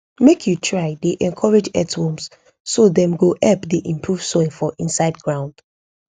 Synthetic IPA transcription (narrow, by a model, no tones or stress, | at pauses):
mekʰjutʰɹaɪdeʔɛ̃nkʰɔɹed͡ʒɛ̰tswɔ̃ms | sodɛ̃mɡoʔɛpdeʔĩmpʰɹuv̥sɔɪfɔʔĩnsaɪd̚ɡɹãʊ̃nd̥